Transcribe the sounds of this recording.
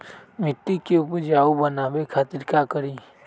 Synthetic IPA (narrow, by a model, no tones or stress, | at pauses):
mɪt̪ːikeʊpd͡ʒaubənabekʰaːt̪iɾkakəɾi